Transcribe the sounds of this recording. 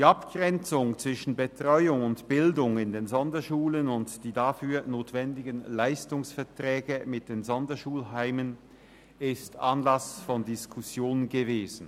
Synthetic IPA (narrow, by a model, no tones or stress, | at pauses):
d̥iːapɡ̥ʁɛnt͡sʊŋt͡sv̥ɪʃn̩bətʁ̥ɔʏʊŋʊntb̥ɪldʊŋɪndeːnzɔndɐʃuːlənʊntd̥iːdafyːɐnoːtv̥ɛndɪɡənlaɪstʊŋsfɛɐtʁ̥ɛːɡəmɪt̚d̥eːnzɔndɐʃuːlɦaɪmən | ɪstʔanlasfɔndɪskʰʊsjoːnənɡəveːzn̩